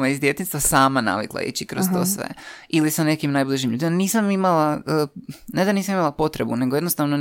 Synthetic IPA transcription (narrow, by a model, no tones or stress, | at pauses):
maizd̪je̞t̪inst̪ʋasaːmana̰ʋḭklˠa̰ḭt͡ɕikɾozt̪o̰sʋḛilisane̞kimnajblˠiʒimʎuːd̪imaniːsamimalaəned̪aniːs̬amimalˠapo̞t̪ɾebune̞ɡo̞jed̪nost̪aʋno